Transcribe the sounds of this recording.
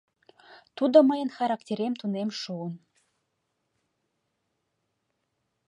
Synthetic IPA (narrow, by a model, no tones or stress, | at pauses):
t̪ud̪oməjənxɑɾɑktʲeɾemt̪unemʃuən